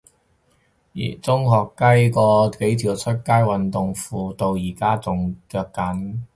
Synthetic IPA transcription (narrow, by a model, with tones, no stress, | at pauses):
jḭː˨˩t͡sʊ˥ŋhɔː˨˧kːɐ˥jkɔː˧ke˨˥jt̪ʰiː˨˩wt͡sʰɵ˥t̚kaː˥jwɐ˨nt̪ʊ˨ŋfuː˨˧t̪o˧wjiː˨˩kaː˥t͡sʊ˨ŋt͡ʃœː˧kkːɐ˨˥n